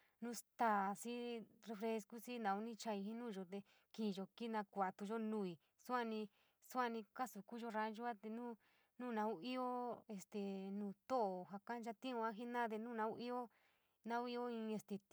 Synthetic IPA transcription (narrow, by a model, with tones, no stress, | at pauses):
nũ˦st̪aː˧˨si˦re˧fɾe˧sku˦si˦nã˨˧u˦nĩ˦t͡ʃa˧i˧hĩ˦nũː˦˨ʒo˧t̪e˧ | kĩ˨˧ʒo˧ki˦nã˧kʷa˨t̪u˧ʒo˦nũː˦˧˨i˨ | su˦a˧nĩ˧ | su˦a˧nĩ˧ka˦su˨˧ku˦ʒo˦ɾa˧˦ʒu˦a˦t̪e˧nũː˦ | nũː˦˨nã˧u˦i˦o˦e˧st̪e˨nũː˨t̪o˦ʔo˨ɦa˧kã˦d͡ʒa˧t̪ĩ˦ũ˧ã˦ɦi˦nã˦t̪̬e˧nũː˦˨nã˧u˦ʔi˦o˦ | nã˧˦u˦i˦o˦ĩ˧e˧st̪e˧